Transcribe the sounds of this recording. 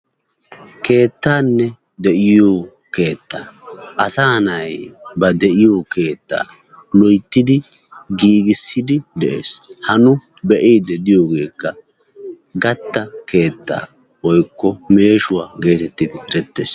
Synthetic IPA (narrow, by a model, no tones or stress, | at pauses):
kʰe̞ːt̪ːaːnːɛ | d̪ɛʔɪjoː | ke̞ːt̪ːaːʔɐsaːnɐjbɐd̪ɛʔɪjoːke̞ːt̪ːa̰ː | lɔjt̪ːɪd̪ɪ | ɡiːɡɪsːɪd̪ɪd̪ɛʔḛːshɐnʊ | bɛʔiːd̪ɛd̪ɪjo̞ːɡe̞ːkːɐ | ɡɐt̪ːɐkʰe̞ːt̪ːa̰ː | wɔjkːɔme̞ːʃʊwaːɡe̞ːt̪ɛt̪ːɪd̪ɪɛɾɛt̪ːḛːs